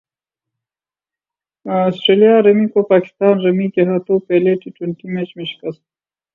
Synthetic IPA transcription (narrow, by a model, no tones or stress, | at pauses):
sʈɾelijɑɾɐmikopɑːkɪ̥st̪ɑːnɾɐmik̪eɦat̪opeleʈiʈəɳʈimet͡ʃmeʃkast̪